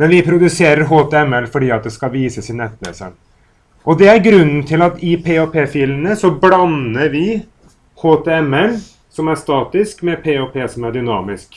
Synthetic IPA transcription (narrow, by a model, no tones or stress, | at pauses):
mɛnʋɪpʰɾʊd̪ʉseːɾəɾɦoːt̪ʰɛɛmɛlfɔɖiːɑt̪̚d̪ɛskɑʋiːsəsɪnɛt̪ːnɛ̰sə̰ | ʔɔd̪ɛæɾɡɾʉnːənt̪ʰɪlɑt̪ɪpʰeːoːpʰeːfiːlənəsɔblɑnːəɾʋɪ | hoːt̪ʰɛɛmɛl | sɔmæʂt̪ɑːt̪ɪskmɛpʰeːoːpʰeːsɔmæɖʏnɑːmɪsk